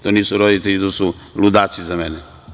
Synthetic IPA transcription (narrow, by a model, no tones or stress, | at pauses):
t̪oːniːsuɾod̪it̪eʎit̪oːsulud̪aːsizamenɛ